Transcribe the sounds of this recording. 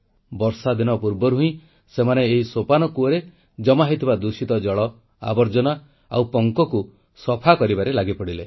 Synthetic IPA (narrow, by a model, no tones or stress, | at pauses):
bɔɾsad̪inɔpuɾbɔɾɦuĩ | semaneːɦisopanɔkuɔɾe | d͡ʒɔmaɦit̪ʰibad̪usit̪ɔd͡ʒɔɭɔ | a̰bɔɾd͡ʒɔna | a̰wpɔŋkɔku | sɔpʰakɔɾibaɾelaɡipɔɽile